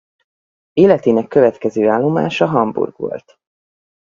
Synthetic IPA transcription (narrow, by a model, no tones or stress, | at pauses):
eːlɛt̪eːnɛkːø̞vɛt̪kɛzøːaːlːo̞ma̰ːʃɒɦɒmbṵrɡ̥ʋo̞̰lt̪